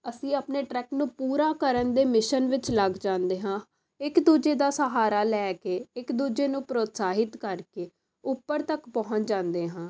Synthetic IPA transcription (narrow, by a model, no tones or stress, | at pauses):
əsĩːəpneːʈɾɛːknũːpuːɾaːkəɾənd̪eːmɪʃənʋɪt͡ʃləɡd͡ʒãːnd̪eːɦãː | ɪkd̪uːd͡ʒeːd̪aːsəɦaːɾaːlɛːkeːɪkd̪uːd͡ʒeːnũːpɾoːt̪saːɦɪt̪kəɾkeː | ʊpːəɾt̪əkpɔɦʊ̃t͡ʃd͡ʒãːnd̪eːɦãː